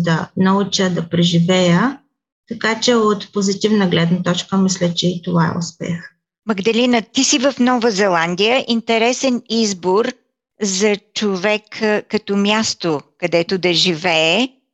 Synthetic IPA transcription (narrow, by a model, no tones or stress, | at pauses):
d̪ɐnɐut͡ʃəd̪ɐpɾɛʒivɛjə | t̪ɐkat͡ʃɛot̪pozit̪ivnəɡlɛd̪nɐt̪ɔt͡ʃkəmislʲət͡ʃɛit̪ovaɛ̰ʊ̰spɛ̰x | mɐɡd̪ɐlinət̪isivəfnɔvəzɛlˠand̪ijəʔint̪ɛɾɛsɛnizboɾ | zɐt͡ʃovɛkkːɐt̪omʲjast̪okɐd̪ɛt̪ʊd̪ɐʒivɛː